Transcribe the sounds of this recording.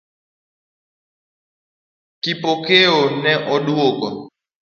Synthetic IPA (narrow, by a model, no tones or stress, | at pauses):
kipokeonɛʔɔɗuokɔ